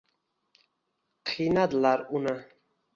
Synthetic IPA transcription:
qʰinad̪laɾuna

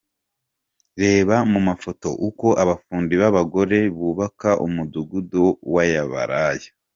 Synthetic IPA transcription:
ɾe̞ːβamumafo̞to̞̰ʔuko̞ʔaβafuːndiβaβaɡo̞ɾe̞βuːβakaʔumuduɡudowajaβa̰ɾaja

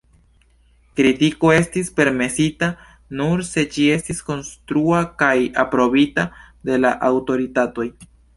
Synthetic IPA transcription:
kɾitiko̞e̞stispe̞ɾme̞sita | nuɾse̞d͡ʒie̞stisko̞nstɾuakajapɾo̞bita | de̞laʔawto̞ɾitato̞j

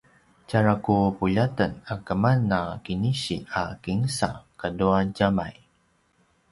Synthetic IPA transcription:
t͡ʃaɾakupuʎat̪ənakəmanːakiniɕḭakiŋsa̰kaduaɟamaj

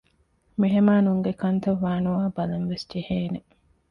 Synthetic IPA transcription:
miɦemaːnuŋɡekɐnt̪ɐʋːaːnuʋaːbɐlɐnʋesd͡ʒeheːne

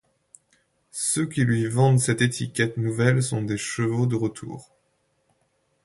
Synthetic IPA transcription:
søkʲilɥivɑ̃d̪sɛt̪et̪ʰikʲɛt̪nuvɛlsɔ̃d̪eʃəvod̪əʁət̪ʰṵːʁ

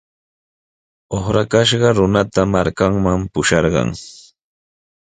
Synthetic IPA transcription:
oχɾakaʃɢɑɾʊnat̪amaɾkaŋmampʊʃɑɾɢɑ̰ŋ

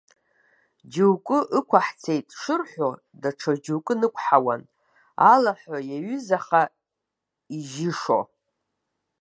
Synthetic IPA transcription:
d͡ʒewkʼʊʔɨkʷʰaħt͡sʰe̞jtʼʂɨrħʷo | daʈ͡ʂʰad͡ʒuwkʼɨnɨkʷʰʼħawa̰n | alaħʷajaɥʏzaχa | iʒɪʂo̰

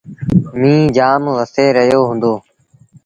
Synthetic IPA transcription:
mĩːd͡ʒaːmʋəseːɾəjoːɦʊ̃nd̪oː

